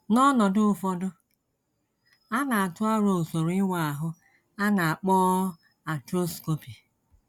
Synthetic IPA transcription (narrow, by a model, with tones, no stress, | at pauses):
nɔ˦nɔ˨dʊ˦ʊ˨fɔ˦dʊ˦ | a˦na˨a˨tʊ˦a˦ɾo˨so˨ɾɪ˦wa˨a˨ɦʊ˦ | a˦na˨a˨k͡pɔː˦ | a˨tɾo˦sko˦pi˨